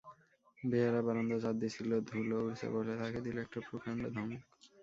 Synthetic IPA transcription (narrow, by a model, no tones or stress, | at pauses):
beaɾabaɾond̪od͡ʑad̪ːit͡ɕʰilod̪ʱulouɾsa̰bolet̪ʰaked̪iloɛk̚ʈapɾukʰaɳɖod̪ʱɔŋ